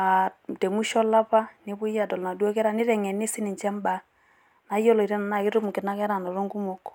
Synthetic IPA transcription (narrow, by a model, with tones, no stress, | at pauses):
a˨te˨mu˦ʃɔ˦la˦pa˦nɪ˦bʊ˦ja˨dɔ˨lna˨dwɔ˦kɛ˦ɾa˦˨nɪ˦ɾɛ˨ŋɛ˨nɪ˦sɪ˦nɪ˨t͡ʃɛ˦mba˨ | na˨˦jɔ˦lɔ˨i˨ɾɛ˦na˨na˦˨kɪ˦ɾʊ˦m˨kɪ˨na˦kɛ˦ɾa˨nɔ˨ɾo˦ŋɡu˦mo˦k